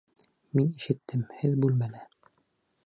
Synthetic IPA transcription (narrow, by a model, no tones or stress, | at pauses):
miniʃɘ̆t̪ːɘmhɘðbʉlmænæ